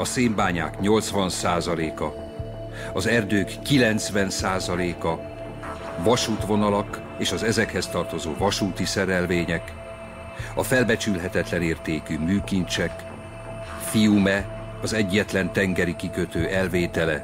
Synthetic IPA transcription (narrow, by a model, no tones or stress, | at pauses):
ɒseːmbaːɲa̰ːkɲo̞lt̪sʋɒnsaːzɒleːkɒ | ɒzɛrd̪øːkːilɛnt̪sʋɛnsaːzɒleːkɒ | vɒʃuːt̪ʋo̞nɒlɒk | eːʃɒzɛzɛkhɛst̪ɒrt̪o̞zo̰ːvɒʃuːt̪isɛɾɛlveːɲɛk | ɒfɛlbɛt͡ʃylɦɛt̪ɛt̪lɛneːrt̪eːkyːmyːkint͡ʃɛk | fijumɛ | ɒzɛɟːɛt̪lɛnt̪ɛŋɡɛɾikikøt̪øːʔɛlveːt̪ɛlɛ